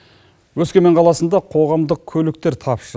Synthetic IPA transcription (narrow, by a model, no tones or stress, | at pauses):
wɵzkʲemeɴqʰɑlˠɑsənd̪ɑqʰo̞ʁɑmd̪əq̚kʲʰɵlɪk̚t̪e̞ɾt̪ʰɑpʃəɾ